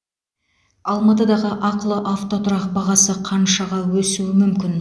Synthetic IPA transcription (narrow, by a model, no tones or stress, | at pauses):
ɑlˠmɑt̪əd̪ɑʁəʔɑqlˠəʔaft̪o̞t̪ʊɾɑq̚bɑʁɑsəqʰɑnʃɑʁɑwɵsuwɪmʏmkʲɪn